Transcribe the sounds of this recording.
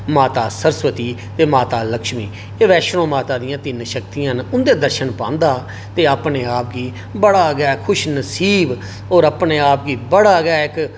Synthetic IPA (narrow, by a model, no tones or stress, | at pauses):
maːt̪aːsəɾsʋət̪iːt̪eːmaːt̪aːləkʃmḭː | eʋɛːʃɾõːmaːt̪aːd̪ɪjãːt̪ɪnʃək̚t̪ijãːnʊnd̪eːd̪əɾʃənpãːnd̪aː | t̪eːaːpneːaːp̚ɡiː | bəɽaːɡaːkʰʊʃnəsiːb | oːɾəpneːaːp̚ɡiːbəɽaːɡaːɪk